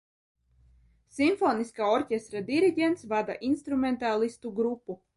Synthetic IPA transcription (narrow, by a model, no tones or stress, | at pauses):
simfɔːniskaːɔɾcʲest̪ɾad̪iɾiɟʲent̪svad̪a̰ʔinst̪ɾument̪alˠist̪uɡɾupːu